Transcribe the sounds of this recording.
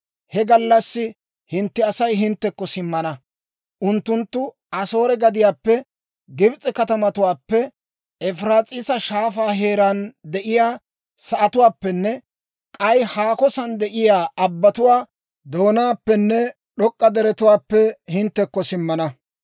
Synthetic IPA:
hɛɡɐlːɐsːɪ | hɪnt̪ːɪɐsɐjɦɪnt̪ːɛkːɔsɪmːɐnɐ | ʔʊnt̪ːʊnt̪ːʊ | ɐso̞ːɾɛɡɐd̪ɪjaːpːɛ | ɡɪbt͡sʼːɛkɐt̪ɐmɐt̪ʊwaːpːɛ | ɛfɾaːt͡sʼɪsɐʃaːfaːɦe̞ːɾɐnd̪ɛʔɪjaː | sɐʔɐt̪ʊwaːpːɛnːɛ | kʼɐjhaːkɔsɐnd̪ɛʔɪjaːɐbːɐt̪ʊwaː | d̪o̞ːnaːpːɛnːɛ | ɗɔkʼːɐd̪ɛɾɛt̪ʊwaːpːɛhɪnt̪ːɛkːɔsɪmːɐnɐ

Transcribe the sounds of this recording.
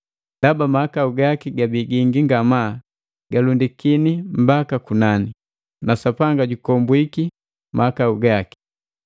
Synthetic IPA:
d̥abamaakauɡakiɡabiɡiŋɡiŋɡama | ɡ̥alundikinim̩bakakunani | nasapaŋɡaɟukɔmbwiki | maakauɡaki̥

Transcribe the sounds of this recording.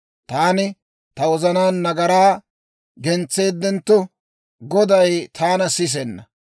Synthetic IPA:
t̪aːnɪ | t̪ɐwɔzɐnaːnːɐɡɐɾaː | ɡɛnt͡sːe̞ːd̪ːɛnt̪ːɔ | ɡɔd̪ɐjt̪ʰaːnɐsɪs̬ɛnːɐ

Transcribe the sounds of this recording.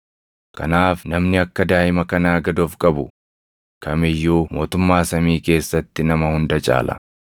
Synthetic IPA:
kkɐ̰naːfnɐmnɪɐkːɐd̪aːʔɪmɐkɐnaːɡɐd̪oːfkʼɐbʊ | kʰɐmɪjːuːmo̞ːt̪ʊmːaːsɐmiːke̞ːsːɐt̪ːɪnɐmɐhʊnd̪ɐt͡ʃʼa̰ːlʔɐ̰

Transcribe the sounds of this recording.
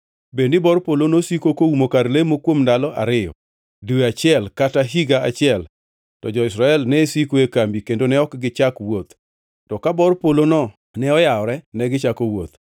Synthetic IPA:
bendɪbɔɾpolonosikokoumokaɾlemokwomndalɔʔa̰ɾɪjɔ̰ | duweat͡ʃɪɛlkataɦiɡaat͡ʃɪɛl | tɔd͡ʒɔɪsɾaɛlnɛsikoekambikendonɛɔkɡɪt͡ʃakwot̪ | tɔkabɔrpolonɔ | nɛɔjaɔɾɛnɛɡɪt͡ʃakowot̪

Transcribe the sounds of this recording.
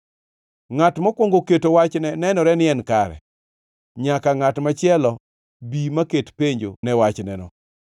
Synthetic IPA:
ŋatmɔkwoŋɡoketowat͡ʃnɛnɛnɔɾɛnɪɛnkaɾɛ̰ | ɲakaŋatmat͡ʃɪɛlɔ | bimaketpeɲd͡ʒo̰nɛwat͡ʃnɛnɔ

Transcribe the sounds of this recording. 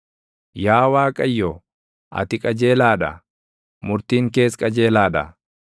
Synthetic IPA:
jaːwaːkʼɐjːɔ | ʔɐ̰t̪ɪkʼɐd͡ʒe̞ːlaːᶑɐ̰ | mʊɾt̪iːŋke̞ːskʼɐd͡ʒe̞ːlaːᶑɐ̰

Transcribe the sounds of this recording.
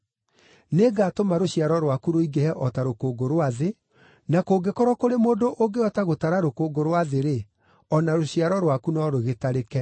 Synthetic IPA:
neɡatomaɾoɕiaɾɔɾwakuɾoiɡehɛʔɔtaɾokoːɡoɾwaðe | nakoːɡekɔɾɔkoɾemoːndoʔoɡeɔtaɣotaɾaɾokoːɡoɾwaðeɾe | ɔnaɾoɕiaɾɔɾwakunɔɾoɣetaɾekɛ

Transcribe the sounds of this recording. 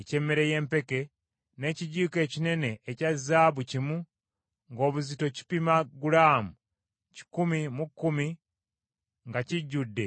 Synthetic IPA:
ece̞mːeɾe̞je̞ːmpe̞ke̞ | ne̞ːciɟuːke̞ːcine̞ne̞ʔːcazːaːβucimu | ŋɡo̞ːβuzito̞ci̥pimaɡulaːmu | ci̥kumimukːumi | ŋɡaciɟːudːe̞

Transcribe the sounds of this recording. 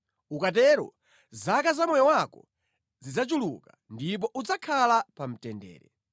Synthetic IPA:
ukat̬ɛɾɔ̰ | zakazamɔjɔwakɔ̰ | zid͡zat͡ʃulṵkandip̬ɔʔud͡zakʰalapam̩tɛndɛ̰ːɾɛ

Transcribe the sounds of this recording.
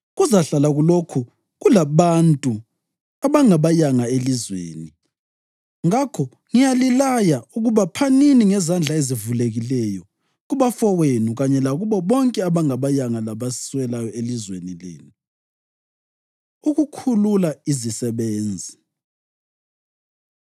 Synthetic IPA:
ɣuzaɬalaɣulokʰu | ɣulaβantʼu | aβaŋaβajaŋaelizwḛːni | ŋakʰɔ | ŋijalilajauɣuβapʰaniniŋɛzand͡ɮʱaezivuleɣilɛjɔ | ɣuβafɔwenuɣaɲɛlaɣuβɔβɔŋkʼɛaβaŋaβajaŋalaβasswɛlajɔelizwenilḛːnu | uɣukʰululaizisɛβeːnd͡zʱi

